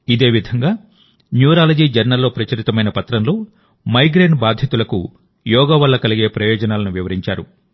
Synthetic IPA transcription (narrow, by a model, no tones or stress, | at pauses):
id̪e̞ːʋid̪ʱɐŋɡaː | njuːɾaːlɐd͡ʒiːd͡ʒɐɾnɐlːo̞ːpɾɐt͡ʃɐɾit̪ɐmɐjnɐpɐt̪ɾɐmlo̞ː | mɐjɡɾeːnbaːd̪ʱjɐt̪ulɐkṵ | jɔːɡaːʋɐlːɐkɐliɡe̞ːpɾɐjɔːd͡ʒɐnaːlɐnuʋiʋɐɾiɲt͡ʃaːɾu